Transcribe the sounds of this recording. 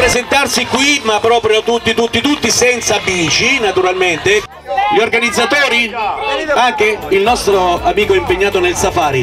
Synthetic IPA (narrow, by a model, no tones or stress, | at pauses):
pɾezent̪arsikwimapːɾɔːpɾjot̪ut̪ːit̪ut̪ːit̪ut̪ːisɛnt̪sabiːt͡ʃinat̪uɾalment̪e | ʎiorɡanid̪zːat̪oːɾi | aŋk̟eilnɔst̪ɾoamiːkoimpeɲːaːt̪onelsafaːɾi